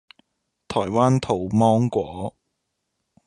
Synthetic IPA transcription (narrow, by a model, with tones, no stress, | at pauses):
t̪ʰɔː˨˩jwaː˥nt̪ʰo˨˩wmɔː˥ŋkʷɔː˨˥